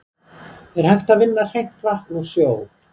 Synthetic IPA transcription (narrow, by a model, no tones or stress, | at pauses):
ɛɾ̥hajft̪aðvɪnːar̥ejht̪vaht̪nusjoːw